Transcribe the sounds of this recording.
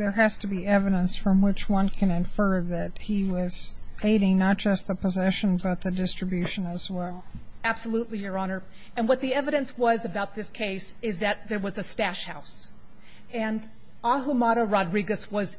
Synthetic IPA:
ðə˞ɨz̥tɨbiɛvɨɾə̃nsfɹʌ̃mwɪt͡ʃwʌ̃nkʰɨ̃nɨ̃ɱfɜ˞ðɨt̚hiwʌz̥eɪɾɪ̃ŋnət̚d̥ʒ̥ʌst̪̚ðəpəzɛʃɨ̃nbʌt̪̚ðɨdɪstɹ̥ɨbjʉʃɨ̃nɨzwɛlˠæb̥səlutˡlijə˞ɑnə˞ | ɨ̃nwʌt̪̚ðiɛvɨɾɨ̃nswʌzɨbaʊt̪̚ðɪskʰeɪsɪzðɨt̪̚ðə˞wʌzɨstæʃhaʊs | ɨ̃n | ɑɦumɑɾəɹɑdɹiɡɨswʌz

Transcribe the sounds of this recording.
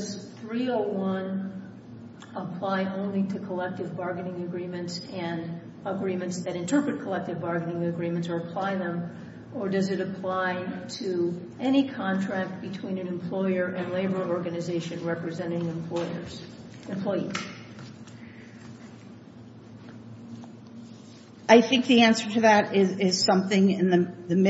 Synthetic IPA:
z̥θɹioʊwʌ̃n | əpʰl̥aɪʔõʊ̃nliɾɨkʰəlɛk̚tɨvbɑɹɡɨnɪ̃ŋɨɡɹĩmɨ̃ntsɨ̃n | əɡɹĩmɨ̃ntsðɨɾɨ̃ntʰɜ˞pɹɨt̚kʰəlɛk̚tɨvbɑɹɡɨnɪ̃ŋɨɡɹĩmɨ̃ntsə˞əpʰl̥aɪðə̃m | ʔə˞dʌzɨɾɨpʰl̥aɪɾɨ | ʔɛñikʰɑ̃ntʰɹ̥æk̚t̚b̥ɨtʰw̥ĩnɨ̃nɨ̃mpʰl̥ɔɪə˞ʔɨ̃nleɪbə˞ɔɹɡɨnɨzeɪʃɨ̃nɹɛpɹɨzɛ̃ɾ̃ɪ̃ŋ | ɨ̃mpʰlɔɪḭz̥ | ʔaɪθɪ̃ŋk̚ðiæ̃nsə˞ɾɨðɨɾɪzɪz̥sʌ̃mθɪ̃ŋɪ̃nɨðɨm

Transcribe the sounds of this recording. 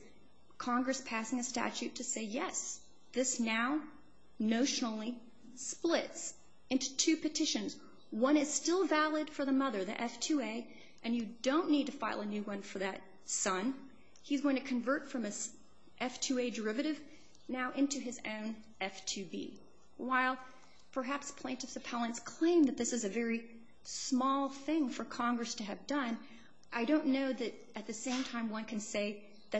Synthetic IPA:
kʰɑ̃ŋɡɹɨspʰæsɪ̃ŋɨstæ̰t͡ʃʉtʰɨseɪjɛs | ðɪsnaʊ | noʊʃl̩ˠli | splɪts | ɪ̃ntʉ̥tʰʉpɨtʰɪʃɨ̃nz | wʌ̃ɾ̃ɨz̥stɪlˠvælˠɨd̥fə˞ðəmʌðə˞ðḭʔɛftʰʉeɪ | ʔɨ̃njɨdõʊ̃nːid̚tɨfaɪlˠənʉwʌ̃nfə˞ðɨt̚ | sʌ̃n | izɡoʊɪ̃ŋtʰɨkʰɨ̃ɱvɜ˞tfɹʌ̃mɨs | ʔɛftʰʉeɪdə˞ɪvɨɾɨv | naʊʔɪ̃ntʉɨzõʊ̃n | ɛftʰʉbḭ | waɪlˠ | pʰə˞ɦæpspʰl̥ẽntɨfsɨpʰælˠə̃nskʰl̥ẽɪ̃mðɨt̪̚ðɪsɨzɨvɛɹi | smɔlˠθɪ̃ŋfə˞kʰɑ̃ŋɡɹɨstʰɨɨvdʌ̃n | ʔaɪɾõʊ̃nːoʊðɨɾ | ɨt̪̚ðɨsẽɪ̃mtʰãɪ̃mwʌ̃nkʰɨ̃nseɪ | ðɨ

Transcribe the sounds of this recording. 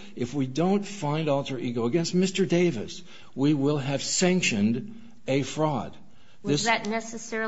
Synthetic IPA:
ɨfwidõʊ̃ntfãɪ̃ndɔlˠtə˞ʔiɡoʊəɡɛ̃nst̚mɪstə˞deɪvɨ̰s | wiwɪlˠɨv̥sæ̃ŋkʃɨ̃nd | ɨfɹɔd̪̚ | ðɪsɨtnɛsɨsɛ

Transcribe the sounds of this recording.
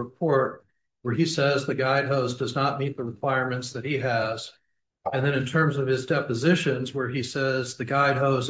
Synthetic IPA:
əpʰɔɹt̚ | wə˞isɛzðɨɡaɪd̚ɦoʊsdʌznət̚mit̪̚ðəɹɨkʰw̥aɪɹmɨ̃ntsðɨt̚hiɨz̥ | ɨ̃nðɨ̃ñɨ̃ntʰɜ̃˞mzʌv̥ɨzdɛpɨzɪʃɨ̃nzwə˞isɛzðɨɡaɪd̚ɦoʊz

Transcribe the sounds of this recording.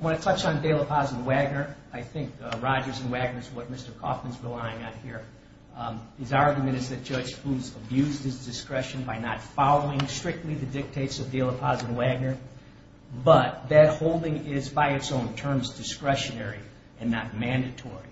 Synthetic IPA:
wə̃nɨtʰʌt͡ʃn̩deɪlˠəpʰɑzɨ̃n̩wæɡ̚nə˞ | aɪθɪ̃ŋkɹɑd͡ʒə˞zɨ̃n̩wæɡ̚nə˞zwʌt̚mɪstə˞kʰɔ̰fmɨ̃nzɹəlaɪɪ̃ŋɨ̃nhiɹ | ɨzɑɹɡjmɨ̃ɾ̃ɨzðɨt̚d̥ʒ̥ʌ̥ʒ̥fuzəbjʉzd̚hɨzdɨskɹɛʃɨ̃nbaɪnətfɑlˠoʊɪ̃ŋstɹ̥ɪk̚tˡliðɨdɪk̚tʰeɪtsʌvdeɪlˠəpʰɑzɨ̃n̩wæɡ̚nə˞ | bʌt̪̚ðɨt̚hoʊlˠdɪ̃ŋɪzbaɪɨtsõʊ̃ntʰɜ̃˞mzdɨskɹɛʃɨnɛɹi | ɨ̃nːət̚mæ̃ndɨtʰɔɹḭ

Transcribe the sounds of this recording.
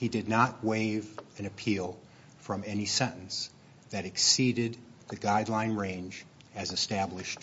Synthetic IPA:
hidɨdⁿnət̚weɪvɨ̃nɨpʰilˠ | fɹʌ̃mɛnisɛ̃nn̩s | ðɨɾɨksiɾɪd̪̚ðɨɡaɪdˡlãɪ̃nɹẽɪ̃nd͡ʒ | ɨzɨstæblɨʃt

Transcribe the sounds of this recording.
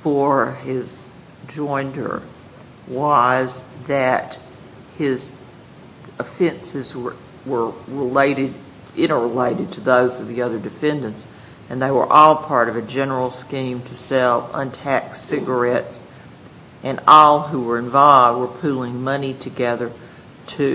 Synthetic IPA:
fə˞ɪz | d͡ʒɔ̃ɪ̃ndə̰˞ | wʌzðɨt̚ | hɪz | əfɛ̃nsɨzwə˞ | wə˞ɹɪleɪɾɪd̚ | ʔɪ̃ɾ̃ə˞əleɪɾɨd̚tʰɨðoʊzʌvðiʌðə˞dɨfɛ̃ndɨ̃nts | ɨ̃nðeɪwə̰˞ʔɔlˠpʰɑɹɾʌvɨd͡ʒɛnə˞l̩ˠskĩmtʰɨsɛlˠə̰̃ntʰæksɪɡə˞ɛts | ʔɨ̃nɔlˠɦuwə˞ɨ̃ɱvɑvd̚wə˞pʰulˠɪ̃ŋmʌniɾʰɨɡɛðə˞ | ɾʰɨ

